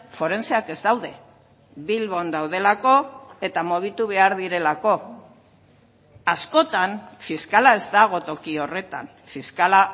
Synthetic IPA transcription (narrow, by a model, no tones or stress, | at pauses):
fo̞ɾe̞nt͡seake̞zd̪awðe̞ | βilβo̞nd̪awðe̞lako̞e̞t̪amoβ̞it̪uβ̞e̞aɾðiɾe̞lako̞ | asko̞t̪anfiskalae̞zd̪aɣ̞o̞t̪o̞kio̞re̞t̪a̰n | fiskala